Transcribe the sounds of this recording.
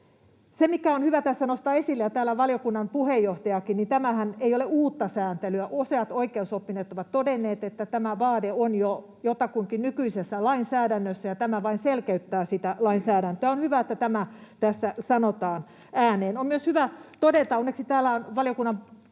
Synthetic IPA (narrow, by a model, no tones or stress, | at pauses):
semikæonhyʋæt̪æsːænost̪ɑːesilːejɑt̪æːlæʋɑljokunːɑmpuhejːoht̪ɑjɑkinnit̪æmæhæneijoleuːt̪ːɑsæːnt̪elyæʔoseɑt̪oikeːnsopːineːt̪ːoʋɑt̪t̪ːodenːeːt̪et̪ːæt̪æmæʋɑːdeonjo | jot̪ɑkuiŋkinnykyisesːælɑinsæːdænːøsːæjɑt̪æmæʋɑinselkeyt̪ːæːsit̪ælɑinsæːɾænt̪øæonhyʋæet̪ːæt̪æmæt̪æsːæsɑnot̪ɑːn | ʔæːneːnommyøshyʋæt̪odet̪ɑonːeksit̪æːlːæonʋɑljokunːɑ